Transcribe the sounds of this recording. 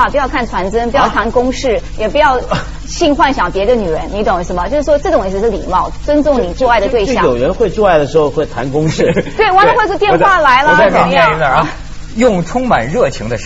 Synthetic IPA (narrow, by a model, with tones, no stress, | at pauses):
pu˧˥jɑ˥˧ʊkʰa˥˩nt͡sʰwa˧˥nt͡sə˥npu˧˥jɑ˥˩ʊt̪ʰa˧˥nkʊ˥ŋʂɻ̩˥˩jɛ˨˩p̬u˧˥jɑ˥˧ʊ | ɕi˥˧nxwa˥˩nɕjɑ˨˩ŋpjɛ˧˥d̪ə˧ny˨˩ɻə˧˥nni˧˥t̪ʊ˨˩ŋ˧˩s̩˧m˧˨t͡ɕo˥˧ʊʂɻ̩˥˩ʂwɔ˥ʈ͡ʂɤ˥˩tʊ˨˩ŋ˧˥s̬̩˥˩ʂɻ̩˥˩lḭ˨˩mɑ˥˩ʊt͡swə˥nt͡sʊ˥˩ŋni˨˩t͡su˥˧a˥˩ɪd̪ə˨t̪we˥˧ɪɕjɑ̰˥jo˨˩ʊɻə˧˥nxwe˥˧ɪt͡su˥˧a˥˩ɪd̪ə˩ʂɻ̩˧˥xo˥˧ʊxwe˥˩ɪt̪ʰa̰˧˥nkʊ˥ŋʂɻ̩˥˩t̪we˥˩ɪwa˧˥d̪ə˧˥xwɪt͡sɔ˥˧t̪jɛ˥˧nxxwa˥˩la˧˥ɪlə˧˥˩ | jʊ˥˩ŋʈ͡ʂʰʊ˥ŋma̰˨˩nɻɤ˥˩t͡ɕʰi˧˥ŋd̪ə˧